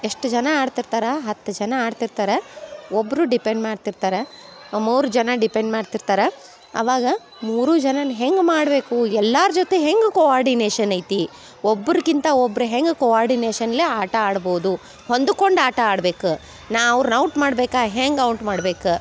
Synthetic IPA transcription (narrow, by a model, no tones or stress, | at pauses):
e̞ʂʈd͡ʒɐnɐaːɖt̪iɾt̪aːɾɐɦɐt̪ːɐd͡ʒɐnɐaːɖt̪iɾt̪aːɾeobːɐɾuɖipe̞ɳɖmaːɖt̪iɾt̪aːɾe | muːɾud͡ʒɐnɐɖipeɳɖmaːɖt̪iɾt̪aːɾe | ɐ̰ʋaːɡɐ | muːɾud͡ʒɐnɐnɦeŋɡmaːɽbe̞ːkuɛlːaːɾd͡ʒot̪eɦeŋɡkoaːɾɖineːʃɐnɐjt̪i | obːɐɾkint̪ɐobːɐɾuɦeŋɡkoaːɾɖineːʃɐnleaːʈɐaːɽbo̞ːd̪u | ho̞nd̪uko̞ɳɖaːʈɐaːɽbeːku | naːɐʋɾunɐwʈmaːɽbeːkaːɦeŋɡɐwɳʈmaːɽbe̞ːku